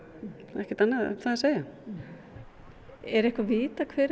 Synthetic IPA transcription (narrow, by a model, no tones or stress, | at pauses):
ɛhcɪɾt̪anːaðθaðaseːja | ɛɾɛhkvaviːt̪akʰvɛːɾ